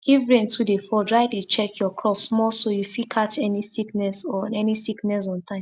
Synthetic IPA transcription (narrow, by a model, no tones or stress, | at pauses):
ivɹẽntudefɔdɹaɪdet͡ʃɛkʰjɔkʰɹɔfsmɔsojufikʰatɛnisiknɛsɔɛnisiknɛs̬ɔ̃ntʰãɪ̃m